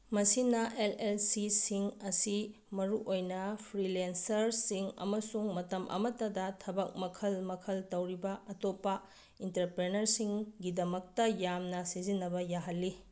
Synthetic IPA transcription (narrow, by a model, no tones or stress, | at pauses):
mɐsinɐʔelelsisiŋɐsi | mɐɾuʔojnɐpʰɾilensɐɾsiŋɐ̰mɐsuŋmɐtɐmʔɐ̰mɐtɐdɐtʰɐbɐk̚mɐkʰɐlmɐkʰɐltɐwɾibɐɐtopːɐ | intɐɾpɾenɐɾsiŋɡidɐmɐk̚tɐjamnɐsizinːɐbɐjaɦɐlːi